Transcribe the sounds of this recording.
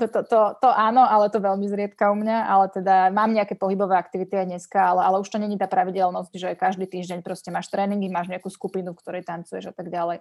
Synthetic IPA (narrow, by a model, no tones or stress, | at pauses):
t̪ɔt̪ɔt̪ɔʔaːnɔʔalɛt̪ɔʋɛʎmizɾɪɛt̪kaumɲaʔalɛt̪ɛd̪amaːmɲɛakɛːpɔɦibɔʋɛːakt̪iʋit̪iajd̪ɲɛskaalɛʔalɛuʃt̪ɔɲɛɲit̪aːpɾaʋiɟɛlnɔscʒɛajkaʒd̪iːt̪iːʒɟɛɲpɾɔscɛmaːʃt̪ɾɛːniŋɡimaːʒɲɛakuːskupinufkt̪ɔɾɛjt̪ant͡sujɛʒat̪aɡɟalɛj